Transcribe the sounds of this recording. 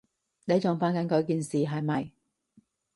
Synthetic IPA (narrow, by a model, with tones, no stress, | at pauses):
ne˨˧jt͡ʃʊ˨ŋfaː˨˥ŋkɐ˨˥nkɔː˨˧˥kiː˨nsiː˨ɦɐ˨˧jmɐ˨j